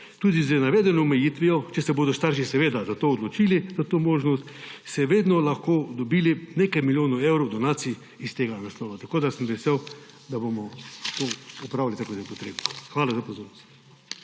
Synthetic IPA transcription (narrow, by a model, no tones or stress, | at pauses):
t̪uːd̪izənaʋeːd̪ɛnɔːmɛjit̪ʋiɔt͡ʃɛsɛboːd̪ɔst̪aɾʃisɛʋeːd̪azat̪oːɔd̪lɔt͡ʃiːlizat̪omoːʒnɔst̪sɛʋeːd̪nɔlaxkod̪ɔbiːlinekajmiljoːnɐewɾowd̪ɔnaːt̪si | ist̪eːɡanaslɔːʋat̪ɐkoːd̪asəmʋɛsew | d̪abomɔt̪oupɾaːwlit̪akot̪epɔt̪ɾḛːbnɔxʋaːlazapɔzoːɾnɔst̪